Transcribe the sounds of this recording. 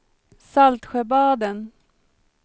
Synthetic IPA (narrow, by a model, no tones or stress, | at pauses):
salt̪ɧɛbɑːd̪ən